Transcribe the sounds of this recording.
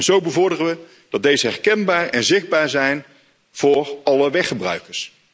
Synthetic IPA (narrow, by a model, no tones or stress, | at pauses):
nzowbəvɔɹdərəʋə | d̥ɑd̚dejzəɦɛrkɛnbaːrɛnzɪχd̚baːɹzɛjn | v̥ʊːrɑləʋɛχəbrœ̰ɥkəɹs